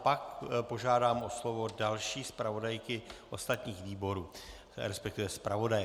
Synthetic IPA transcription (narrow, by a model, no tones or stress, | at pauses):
pakpo̞ʒaːdaːmʔo̞slo̞vo̞dalʃiːspɾavo̞dajkɪʔo̞st̪at̪ɲiːxviːbo̞ɾuː | ɾɛspɛk̚t̪ɪvɛspɾavo̞dajɛ